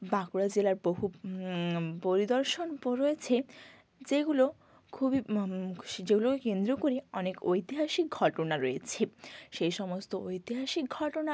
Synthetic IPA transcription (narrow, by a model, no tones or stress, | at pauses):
bakuɽad͡ʑelaɾboɦu | poɾid̪ɔɾʃonpoɾoet͡ɕʰe | d͡ʑeɡulo | kʰubi | d͡ʑeɡulokekend̪ɾokoɾeɔnekojt̪iɦaʃik̚ɡʱɔʈonaɾojet͡ɕʰeʃejʃɔmost̪oojt̪iɦaʃik̚ɡʱɔʈona